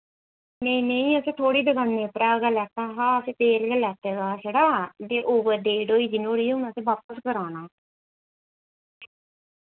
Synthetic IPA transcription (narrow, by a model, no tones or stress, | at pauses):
nẽĩːnẽĩːəsẽːt̪ʰoːɽiːd̪əɡanːeːpɾaːɡəlɛːt̪aːɦaːəsẽːp̪eːlɡəlɛːt̪eːɡaːd͡ʒeːɽaːd̪eːʔoːʋəɾd̪eːɖoːiːd͡ʒinoːɽiːʊnãt̪ẽːʋaːpəskəɾaːnaː